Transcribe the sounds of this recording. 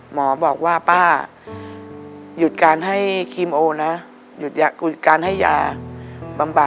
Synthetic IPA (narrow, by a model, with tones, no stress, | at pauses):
mɔː˩˦bɔː˨˩k̚waː˥˩paː˥˩ | ju˨˩t̪̚kaː˧nɦa˥˩jkʰi˧mʔoː˧na˦˥ | ju˨˩t̪̚ja˧u˨˩t̪̚kaː˧nɦa˥˩jːa̰ː˧ | ba˧mba˨˩